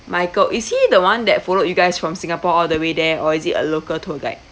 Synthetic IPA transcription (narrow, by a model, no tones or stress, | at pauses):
maɪkəlʔishidəwãndɛt̚fɔlojuɡaɪsfɹɔ̃msĩŋapɔɔldəwedɛɔisitə̰lokəltʰoɡa̰ɪ